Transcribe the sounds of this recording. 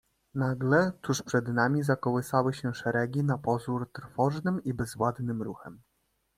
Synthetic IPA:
naɡlɛt̪uʂpʂɛd̪namʲizakɔwɘsawɘɕɛʂɛɾɛɡʲinapɔzuɾt̪ɾfɔʐnɘmibɛzvwad̪nɘmɾuxɛm

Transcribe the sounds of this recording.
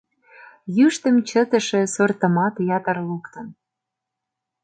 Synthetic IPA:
jyʃt̪ə̆mt͡ɕə̆t̪ə̆ʃĕsort̪ə̆mɑt̪jɑt̪ərlukt̪ə̆n

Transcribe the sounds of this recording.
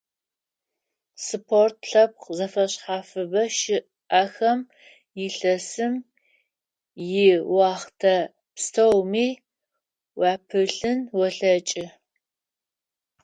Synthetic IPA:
sɨpʰort̚ʰɬɐp̚qzɐfɐɕħaːfɨbɐʃɪʔ | ɐxɐm | jɪɬɐsɨm | jɪwɑːχtʰɐ | pstʰɐwmiː | wɑːpʰɨɬɨnwɔɬɐt͡ʃʼɪ

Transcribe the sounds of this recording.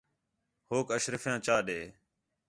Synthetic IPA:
hoːkəʃɾəfjãːt͡ʃaːɗeː

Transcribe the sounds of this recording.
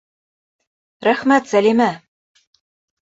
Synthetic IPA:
ɾæχmæt̪sælimæ

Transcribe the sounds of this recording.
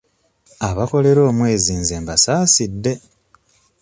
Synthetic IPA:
aβako̞le̞ɾo̞ːmwe̞ːziːnzeːmbasaːsidːe̞

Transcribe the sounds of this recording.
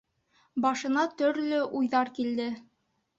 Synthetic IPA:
bɑʃɤ̆nɑt̪ɵ̆ɾlɵʔujðɑɾkild̪ɘ

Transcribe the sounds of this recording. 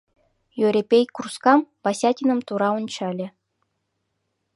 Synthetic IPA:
jøɾʲepʲejkurskɑmpɑsʲɑtʲinə̆mt̪uɾɑonʲt͡ɕɑlʲĕ

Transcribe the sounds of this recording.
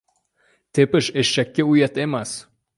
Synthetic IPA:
t̪epɘʃeʃːækʲːeujat̪emas

